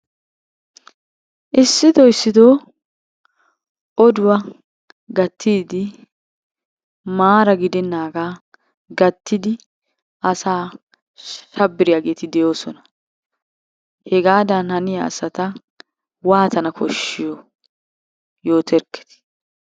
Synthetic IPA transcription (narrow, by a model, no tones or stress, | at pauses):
ʔɪsːɪd̪ɔɪsːɪd̪oː | ʔɔd̪ʊwɐ | ɡɐt̪ʰːiːd̪ɪ | maːɾɐɡɪd̪ɛnːaːɡaː | ɡɐt̪ːɪd̪ɪ | ʔɐsaː | ʃɐbːɪɾɪjaːɡe̞ːt̪ɪd̪ɛjo̞ːsɔnɐ̥ | hɛɡaːd̪ɐnhɐnɪjɐ̰ːsɐt̪ɐ | waːt̪ɐnɐkʰɔʃːɪjɔ | joːt̪ʰɛɾkːɛ̥t̪ɪ̥